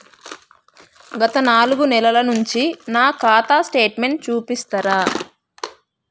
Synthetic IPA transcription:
ɡɐt̪ɐnaːluɡunɛlɐlɐnuɲt͡ʃinaːkaːt̪aːsʈe̞ːʈme̞ɳʈ̚t͡ʃuːpist̪ɐɾaː

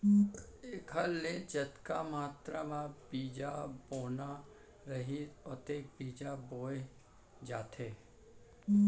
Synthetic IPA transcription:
eːkʰəlːed͡ʒɐt̪kamaːt̪ɾamãbiːd͡ʒaboːna | ɾɐɦiɔt̪eːkbiːd͡ʒaboːe | d͡ʒaːt̪ʰeː

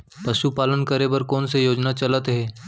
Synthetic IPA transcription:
pɐʃupaːlənkəɾebəɾkɔːnsejoːd͡ʒnat͡ʃɐlət̪ɦɛː

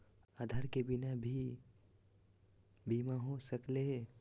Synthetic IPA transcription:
ad̪ʱaɾkebɪnabʱi | bimaɦosəkle

